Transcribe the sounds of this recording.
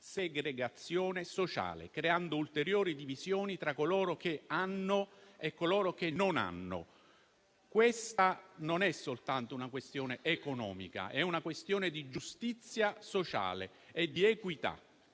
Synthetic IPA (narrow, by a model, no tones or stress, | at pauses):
seɡɾeɡat̪sːjɔːnesot͡ʃa̰ːlḛkɾeand̪oult̪eɾjoːɾid̪ivizjɔːnit̪ɾakːolɔːɾokeanːoekːolɔːɾok̟enːona̰nːo̰ | kwest̪anonɛsolt̪ant̪ounakwest̪jɔːneʔekonɔ̰ːmḭka̰ʔɛunakwest̪joːned̪id͡ʒust̪it̪sːjasot͡ʃa̰ːlḛ | ed̪iekwit̪a̰